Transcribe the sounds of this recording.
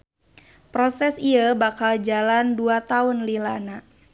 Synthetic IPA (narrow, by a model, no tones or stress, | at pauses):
pɾɔsɛsiəbakald͡ʒalanduat̪aʊnlilana